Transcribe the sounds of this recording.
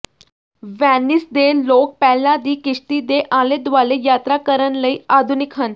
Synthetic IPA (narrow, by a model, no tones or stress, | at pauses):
ʋanːisd̪elok̚pɛlad̪iːkiʂt̪id̪eʔaled̪ʋalejat̪ɾakəɾənləiad̪ʱunikʰən